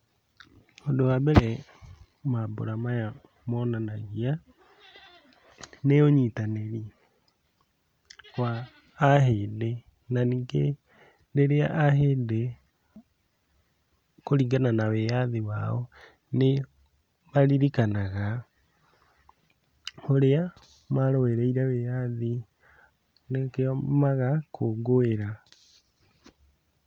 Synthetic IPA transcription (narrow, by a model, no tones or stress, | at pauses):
ondowaβɛɾɛ | mabo̰ɾamaja | mɔnanaɣia | neoɲitaneɾi | kwaː | ɦede | naniːɡe | ndeɾea̰ʔaɦeːde | koɾiːɡananawejaðiwaɔ | ne | maɾiɾikanaɣa | hoɾea | maɾoeɾɛiɾɛwejaði | nekeɔmaɣakʰoɡoeɾa